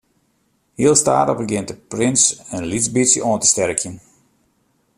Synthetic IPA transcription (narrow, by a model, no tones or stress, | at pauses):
hiəlˠstaːtəbəɡɪnt̚dəprɪnsənlizbisəʔoəntə̥stɛrkjən